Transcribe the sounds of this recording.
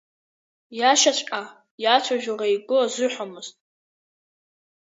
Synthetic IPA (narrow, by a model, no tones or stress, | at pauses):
jaʃat͡ɕʷʼkʼa | jat͡ʃʷʰaʒᶣʊrajɡʷʊazɨħʷamɨztʼ